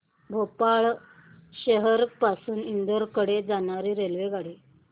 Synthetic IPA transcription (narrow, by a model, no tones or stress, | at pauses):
bʱopaɭ | ɕəɦəɾpasuːnind̪əɾkəɽed͡zañaɾiːɾelʋeɡaɽe